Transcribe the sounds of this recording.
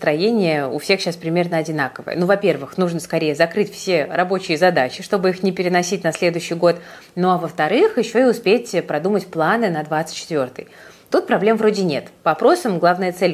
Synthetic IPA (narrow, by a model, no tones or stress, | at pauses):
st̪ɾɐjenʲɪjəʊ̰fsʲe̞xɕaspɾʲɪmʲe̞rnəɐdʲɪnakəvə̰jə̰nuvɐpʲe̞rvɨxnuʐnəskɐɾʲejəzɐkɾɨtʲfsʲerɐbo̞t͡ɕɪjəzɐd̪at͡ɕɪʂt̪o̞bɨixnʲɪpʲɪɾʲɪnɐsʲitʲnɐsʲlʲe̞d̪ʊjɕːɪjɡo̞t̪ | noɐvəft̪ɐɾɨxjɪɕːo̞ɪʊspʲetʲpɾɐd̪umətʲplˠanɨnɐd̪vat̪sɨ̥t̚ʲt͡ɕːɪt̪vʲo̞rt̪ɨ̰j | t̪ut̪̚pɾɐblʲe̞mvɾo̞dʲɪnʲe̞t̪pəɐpɾo̞səmɡlˠavnəjət̪sɛlʲ